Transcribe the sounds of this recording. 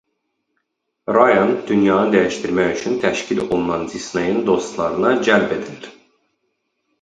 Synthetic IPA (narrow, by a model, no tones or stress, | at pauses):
ɾɑjond̪ynjɑːnɯd̪æjiʃt̪iɾmæçyt͡ʃʰynt̪ʰæʃcʰilo̞lˠunɑnd̪isnejɯnd̪o̞st̪lˠɑɾɯnɑd͡ʒælbe̞d̪iliɾ̥